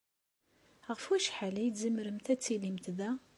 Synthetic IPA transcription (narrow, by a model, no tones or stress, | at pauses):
ʁəfwuæʃħalijd̪zəmːɾəmθæt͡sːilimt̪ðæ